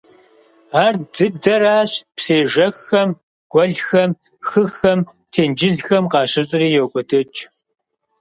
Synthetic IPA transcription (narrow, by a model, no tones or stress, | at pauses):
aːrdɨdɐɾaːɕpseːʒɐxɐm | ɡ̥ʷʼɔɮxɐm | xɨxɐm | tʰeːnd͡ʒɪɮxɐmqɑːɕɪɕʼɪriːjoːkʷʼɔdʰɨt͡ʃʼ